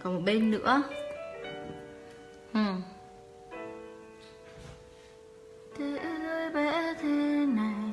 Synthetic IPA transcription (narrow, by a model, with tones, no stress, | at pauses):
kɔ˨˦mo˨˩t̚ɓe˧nnɨ̰˧˥ə | hɨ˨˩ | t̪ʰe˨˦ʔləː˧jvɛ˧˩t̪ʰe˨˦na˨˩j